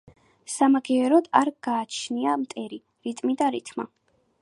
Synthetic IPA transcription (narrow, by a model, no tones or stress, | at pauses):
samaɡɛɛɾɔd̪aɾɡaːt͡ʃʰniamt̪ʼɛɾi | ɾit̪ʼmid̪aɾit̪ʰʼma̰